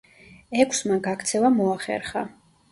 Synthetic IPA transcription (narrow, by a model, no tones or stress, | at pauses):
ɛkʷʰsmaɡakʰt̪sʰɛvamɔaχɛ̰ɾχa